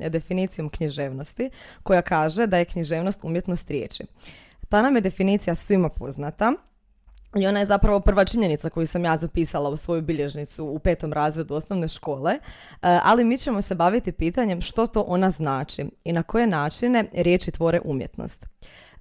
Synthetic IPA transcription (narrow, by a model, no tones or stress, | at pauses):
d̪e̞finiːt̪sijo̞mkɲiʒe̞ːʋno̞st̪iko̞jakaːʒe̞d̪aje̞kɲiʒe̞ːʋno̞st̪umje̞t̪no̞st̪ɾʲjḛːt͡ʃḭ | t̪anamje̞d̪e̞finiːt̪sijasʋimapo̞znat̪a | io̞naje̞zapɾaʋo̞pr̩ʋat͡ʃiɲe̞nit̪sako̞jusamjaːzapiːsalˠausʋo̞jubiʎe̞ʒnit̪suːpe̞ːt̪o̞mɾaːzɾe̞d̪uo̞snoʋne̞ʃko̞ːle | ʔa̰limiːt͡ɕe̞mo̞se̞baʋit̪ipiːt̪aɲe̞mʃt̪o̞t̪o̞ʔo̞naznaːt͡ʃiinako̞je̞naːt͡ʃine̞ɾje̞ːt͡ʃit̪ʋo̞ːɾeʔumje̞̰t̪no̰st̪